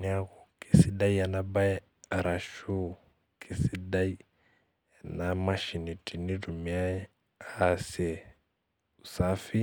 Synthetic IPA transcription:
na˦ɣu˨kʼi˨si˦da˦i˦a˨na˦ba˦ɛ˦ | a˨ɾa˨ʃu˦ | kʰʼi˨si˦da˦i˦˨ | na˨ma˦ʃi˨ni˨tʼi˨ni˦ɾu˨mia˦ɛ˦ | a˦˨sɛ˨ | u˨sa˦fi˦

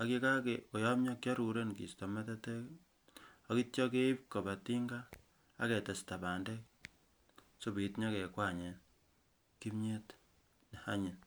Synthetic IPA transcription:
a˨ki˦ka˦ke˨ko˨ja˦mɲa˦kja˦ɾu˨ɾe˦nkḭ˨sto˨mɛ˦te˦te˦k | a˦ki˦tjɔ˦k̬e˦i˦p̚ko˨ba˨ti˦ŋɡa̰ː˦ | kɛ˨te˨sta˨ba˨nde˦k̚ | so˦bi˨tɲɔ˦ke˨kwa˦˨ɲe˨˦n | ki˦mɲe˦t | n˨ha˦ɲi˨n

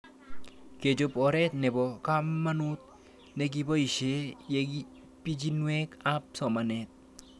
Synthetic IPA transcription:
ke˨d͡ʒo˧pɔ˨ɾɛ˦t̪nɛ˨bɔka˦mːa˦nu˦t̪̚ | ne˦ɡi˦bɔ˦i˨ʃe˦jeɡi | pi˦d͡ʒi˦nwe˦ka˦p̚sɔ˨ma˨ne˨t̪̚

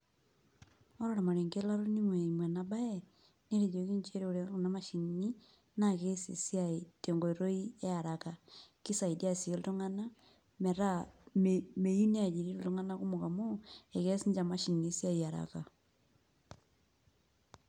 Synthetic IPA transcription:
o˦ɾoɾa˨ma˨ɾe˨ŋɡe˦la˦ɾo˦ni˦mwe˨i˨mwe˨na˨ba˦e | ne˦ɾe˨jo˨ki˦ɲt͡ʃe˦ɾo˨ɾe˨u˨nama˦ʃi˨ni˦ | na˦ke˦sḭsjate˨ŋɡo˨iɾo˦i˦e˦a˨ɾaka˨ki˦sa˨idi˦a˦sie˨lo˦to˦ŋa˦na˦ | me˨ɾa | me˨ju˦ni˦a˨d͡ʒi˨ɾi˦ɾu˨to˦ŋa˦na˦ku˦moka˨moe˨ke˦si˦ɲd͡ʒa˨ma˦ʃi˨nisi˦a˦ia˨ɾa̰ka˨

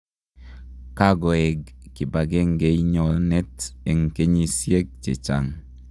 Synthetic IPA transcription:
ka˦ɡo˨e˨ɡːi˨ba˨ɡe˦ŋɡe˨˦i˦ɲɔ˨lne˦te˨ŋke˦ɲi˨sje˦ɡ̚t͡ʃḛ˨t͡ʃa̰˨ŋ

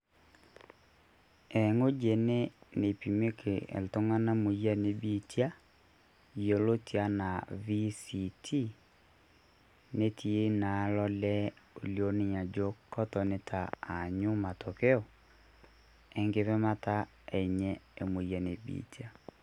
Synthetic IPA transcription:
ɛ˨ŋo˦d͡ʒe˨ne˦ne˨pi˨me˦kʰe˨ḛ˨lto˦ŋa˦na˦mo˨ja˦ne˨bi˨tja˦ | jo˨lo˦ti˨a˦na˨vi˦si˨tʰi˦ | ne˦tʰi˨e˦na˨˦lɔ˦lɛ˦o˨ljo˨˦ne˨ɲa˨d͡ʒo˦kɔ˦tɔ˨ne˨tʰaː˨ɲu˦ma˨to˨kɛ˦ɔ˨ | ɛ˨ŋɡe˦βɛ˦ma˦ta˦ | ɛ˨ɲɛ˦e˨mo˨ja˨nḛ˨bḭ˨ti˦a˦

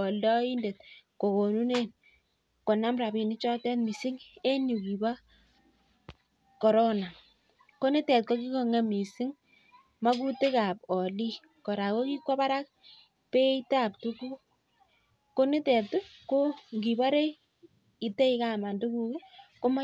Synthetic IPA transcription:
ɔ˨lɔ˦i˦nde˨t̚ko˨ko˨nu˦ne˦n | ko˨na˦mɾa˨bi˨nɪ˦t͡ʃɔ˦tɛ˦tmi˨sɪ˦ŋe˦nju˨ki˨ba˦ | ko˨ɾo˦na˨ | ko˦ne˦tɛ˨t̚ko˦ki˦kɔ˨ŋɛ˨mi˨sɪ˦ŋ | ma˦ku˦te˦ka˨p̚ɔ˨li˦ | kɔ˨ɾa˨ko˦ki˦kʷa˦pa˦ɾa˦k̚ | pe˦i˦ta˦˨p̚tu˦ku˦ | ko˦ne˦tɛ˨tu˦ko˦ŋɡi˨ba˦ɾe˦ | i˨tɛ˦i˦ka˨ma˨ndu˦ku˨ke˦ko˦ma˦

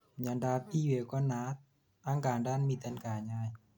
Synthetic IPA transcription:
ɲa˧ndaː˧˦p̚ʔiː˧˨we˧˩kɔ˧˥˨nːaː˧˦˥t̪̚ | ʔaː˧˥˨ŋkaː˨˩ndaː˥˨nmi˧˩t̪a˧˨nkaː˨˩ɲaː˧˩˨j

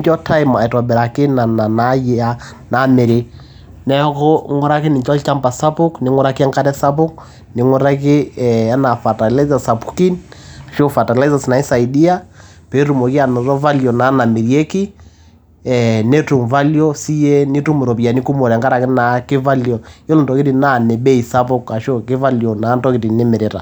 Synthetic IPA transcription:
t͡ʃɔ˦ta˦ɪ˦ma˨ɛ˨ta˨bɛ˨ɾa˨kɪ˦na˨na˨na˦jɛ˦a˦ | na˨˦mɛ˨ɾe˨ | nɛ˦kɔ˦ŋɔ˦ɾa˦kɪ˦nɪ˨t͡ʃɔ˦lt͡ʃa˦mpa˨sa˦pʊ˦knɪ˨˦ŋɔ˦ɾa˦ki˦a˦ŋka˦tɛ˦sa˦pʊ˦k̚ | nɪ˨˦ŋɔ˦ɾa˦k̬ɪ˦ɛ˨a˦na˨fa˨ta˨la˦za˨sa˨pu̥˦ki˦nʃo˦fa˨ta˨la˦za˨sna˨i˦sa˨ɪdi˦a˦ | pe˨˦ɾu˨mɔ˨ki˦a˨nɔ˨ɾɔ˦va˦ljɔ˨na˨˦na˨mɪ˨ɾje˦ki˦ | ɛ˨ne˦tu˨mva˦ljɔ˦si˦e˦nɪ˦tu˦mu˨ɾɔ˨pi˨a˨ni˦ku˦mo˨ɾɛ˨ŋka˦ɾa˨kɪ˦na˨kɪ˦va˦ljɔ˨jɔ˦lʊ˨ntɔ˨kɪ˦ti˨na˦˨nɛ˨be˦i˨sa˦pʊ˦ka˨ʃo˦kɪ˦va˦ljɔ˨na˨˦ntɔ˦kɪ˨di˨nɪ˦mɪ˨ɾɪ˦ɾa̰˨

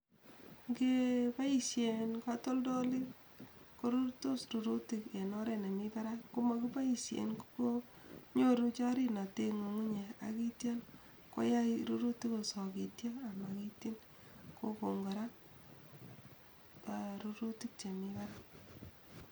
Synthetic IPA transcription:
ŋɡe˦pa˦i˨ʃje˨nkato˦ldo˦li˦ | ko˦ɾu˦ɾtu˦sɾu˨ɾu˦ti˨ke˨nɔ˦ɾe˦ne˨mi˦pa˦ɾa˦ku˦ma˦ku˦pa˦i˨sjḛ˨nku˦ko˦ | ɲo˦ɾu˦t͡ʃa˦ɾi˦na˨te˦ŋo˨ŋu˦ɲe˨a̰˨ki˦tja˦n | ko̰˦ja˦iɾu˦ɾu˦ti˦ko˨sɔ˨ki˨tja˦a˨ma˨ki˦ti˦n | ko˦ko˨ŋɡo˨ɾa˦ | paɾuɾu˦ti˦k̚t͡ʃe˨mi˦pa˦ɾa˦

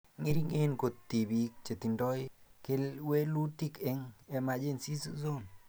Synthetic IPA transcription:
ŋi˦ɾi˦ŋe˦nko˨ttːi˨bi˦k̚t͡ʃe˨ti˨ndɔ˦jke˦lwe˦lu˦ti˦ke˦ŋe˨ma˨d͡ʒe˦nsi˦su˦zo˦n

